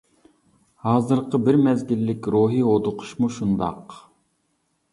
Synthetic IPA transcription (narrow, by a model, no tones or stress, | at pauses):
hɑːzɨɾqʰəbɪɾmɛzɡʲilːɪkʲɾoɦiod̪ʊqʰʊ̥ʃmuʃund̪ɑ̰q